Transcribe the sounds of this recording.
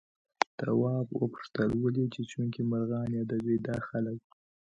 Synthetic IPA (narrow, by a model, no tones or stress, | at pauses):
t̪a̰wɑbwə̰pʊ̥ʂt̪əlwəlit͡ʃet͡ʃuŋkimaɾɣɑnjɑd̪abed̪ɑxalək̚